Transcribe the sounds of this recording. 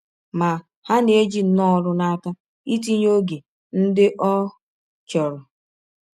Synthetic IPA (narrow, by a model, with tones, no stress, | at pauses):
ma˨ | ha˦n˨e˦d͡ʒi˦nɔ˦˨ɾʊ˦na˦ka˦ | i˦ti˦ɲ˦o˦ɡe˨ | n̩˦dɪ˦ʔɔ˦ | t͡ʃɔ˨ɾʊ˨